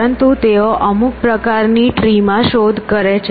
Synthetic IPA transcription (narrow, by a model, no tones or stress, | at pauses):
ənt̪ut̪eoʔəmuk̚pɾəkaɾniʈɾimãʃod̪ʱkəɾet͡ʃʰ